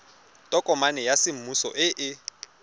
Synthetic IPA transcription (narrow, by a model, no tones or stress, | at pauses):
tʼɔkʼɔmanɛjasɪm̩musɔ̰ʔɪʔɪ